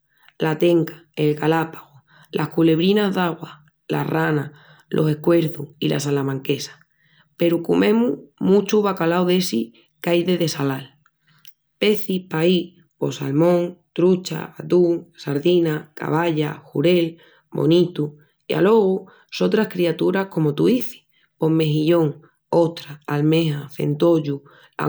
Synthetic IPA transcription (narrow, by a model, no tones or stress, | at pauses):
lat̪e̞ŋkḁe̞lkalapaɣo | lʔahkule̞βɾinazðaɣwa | la̰rana | lʔo̞se̞hkwe̞ɾθuhilʔa̰salamãŋke̞sḁ | pe̞ɾukumʔẽ̞mumũt͡ʃuβakalawðe̞si | kajðeðe̞salal | pe̞θipai | po̞sa̰lmõŋt̪ɾut͡ʃa̰at̪uŋsaɾðinaka̰βaʎaxṵɾe̞l | bo̞̰nit̪u | ja̰lo̞ɣu | so̞t̪ɾahkɾiat̪uɾahko̞mot̪uiθi̥ | po̞me̞ɦiʎo̞ŋ | o̞t̪ɾaːlmeɦaθe̞̰nt̪o̞ʎu | a̰